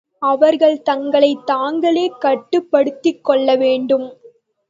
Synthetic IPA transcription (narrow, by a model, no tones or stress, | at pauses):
ɐʋɐɾɣɐɭt̪ɐŋɡɐɭɐɪt̪ːaːŋɡɐɭeːkɐʈːɯpːɐɽɯt̪ːɪkːɔɭːɐʋeːɳɖɯm